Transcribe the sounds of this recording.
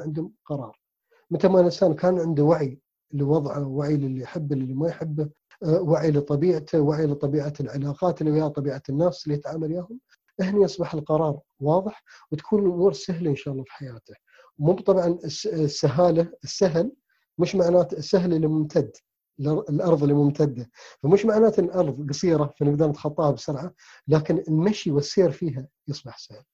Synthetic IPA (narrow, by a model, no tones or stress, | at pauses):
ʕɪnd̪hʊmqɑɾˤɑ̰ːɾˤ | mɪt̪ɪlmalɪnsaːnkaːnʕɪnd̪uwaʕi | ləwɑðˤʕawaʕillːiħɪbːllːimajħɪbːa | waʕilət̪ˤɑbiːʕt̪ʰawaʕilət̪ˤɑbiːʕalʕalaːqɑːt̪lːiwhat̪ˤɑbiːʕanːaːslːijɪt̪ʕaːmaljaːhʊm | ʔɪhniʔɑsˤbɑħəlqɑɾˤɑːɾˤ | wɑːðˤɨħwt̪ḁkʰuːnnʔʊmuːɾsaɦlʔənʃaːʔɑlˤːɑːfi̥ħajaːt̪a | wmʊbt̪ˤɑbʕɑnssːaɦaːlaɪsːaɦɪl | mɪʃmaʕnaːt̪sːaɦlɪlːimʊmt̪ʰad̪ | lʔɑɾˤðˤɪlːimʊmt̪ʰad̪ːafamɪʃmaʕnaːt̪ɪlʔɑɾˤðˤɡɑsiːɾafanɪɡd̪ɑɾˤnət̪xɑt̪ˤːɑːhabsʊɾʕa | laːkɪnɪlmaʃiwɪsːeːɾfiːɦajɨsˤbɑħsahl